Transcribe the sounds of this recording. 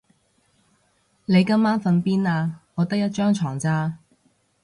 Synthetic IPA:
ne˨˧jkɐ˥mːaː˥nfɐ˧npiː˥naː˧ŋɔː˨˧t̪ɐ˥k̚jɐ˥t̚t͡ʃœː˥ŋt͡ʃʰɔː˨˩ŋt͡saː˥

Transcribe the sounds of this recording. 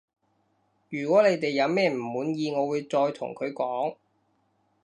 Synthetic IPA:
jyː˨˩kʷɔː˨˥le˨˧jt̪e˨jːɐ˨˧wmɛː˥m̩˨˩muː˨˥njiː˧ŋɔː˨˧wuː˨˧jt͡sɔː˧jt̪ʰʊ̰˨˩ŋkʰɵ˨˧ɥkɔː˨˥ŋ

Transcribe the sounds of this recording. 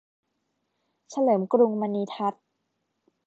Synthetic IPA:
t͡ɕʰa˧lɤː˩˦mkɾu˧ŋma˧niː˧t̪ʰa˦˥t̪̚

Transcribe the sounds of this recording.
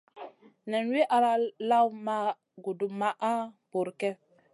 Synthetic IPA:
nɛ˨nwe˦ʔa˨ɾa˦la˦wma˦ | ɡu˨du˨ma˦ʔa˦bo˨ɾkɛ˦

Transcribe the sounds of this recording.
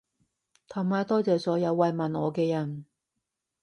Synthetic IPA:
t̪ʰɐ˨˩maː˨˧jt̪ɔː˥t͡sɛː˨sɔː˨˥jɐ˨˧wːɐ˨jmɐ˨nɔː˨˧kɛː˧jɐ˨˩n

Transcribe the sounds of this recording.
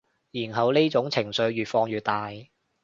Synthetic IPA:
jiː˨˩nɦɐ˨wle˥t͡sʊ˨˥ŋt͡sʰɪ˨˩ŋsɵ˨˧ɥɥyː˨t̚fɔː˧ŋjyː˨t̚t̪aː˧j

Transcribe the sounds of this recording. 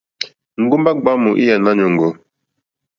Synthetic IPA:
ŋ̩˦ɡu˦mba˦ɡ͡ba˦mu˨ʔi˦ja˨na˦ɲo˨ŋ˨ɡo˨˦

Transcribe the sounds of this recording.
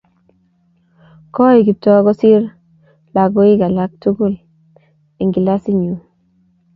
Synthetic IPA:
kɔ˦i˨ɡi˨p̚tɔ˦ɡɔ˦si˦ɾ | la˨ɡo˦i˦ɡa˨la˦k̚tu˦ɡu˦˨l | i˨ŋɡi˨la˦si˦ɲu˨

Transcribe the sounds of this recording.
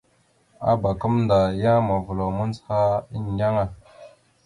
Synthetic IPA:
a̰˦ba˨kə˦mnda˨ja˦ma˨vu˨lo˨mu˦nzha˦i˦ndʲa˦ŋa˦˨

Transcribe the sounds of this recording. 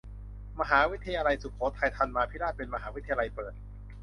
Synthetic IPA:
ma˧ɦaː˩˦wi˦˥t̪ʰːa˧jaː˧la˧jsu˨˩kʰoː˩˦t̪ʰa˧jt̪ʰa˧nmaː˧pʰi˦˥ɾaː˥˩t̪̚pe˧nma˧ɦaː˩˦wi˦˥t̪ʰːa˧ja˧la˧jpɤː˨˩t̪̚

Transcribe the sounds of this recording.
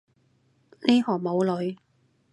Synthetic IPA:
ne˥hɔː˨˩ŋmo˨˧wlɵ˨˧ɥ

